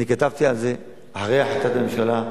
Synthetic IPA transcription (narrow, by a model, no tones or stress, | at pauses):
nikat̪avt̪ialze̞ | aħaʁejaħat̪at̪ame̞mʃala